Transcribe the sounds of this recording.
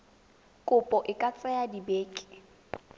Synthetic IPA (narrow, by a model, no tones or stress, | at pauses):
kʼʊpʼɔʔɪkʼat͡sʼɛjadibeːkʼɪ̥